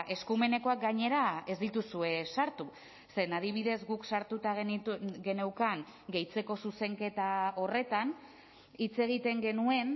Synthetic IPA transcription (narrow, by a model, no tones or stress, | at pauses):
ʔe̞skume̞ne̞ko̞ak̚ɡaɲe̞ɾae̞zd̪it̪usue̞saɾt̪u | se̞nað̞iβ̞iðe̞zɡuksaɾt̪ut̪aɣɡe̞ne̞wkaŋɡe̞jt͡se̞ko̞suse̞ŋke̞t̪ao̞re̞t̪an | it͡se̞ɣ̞it̪e̞ŋɡe̞nue̞n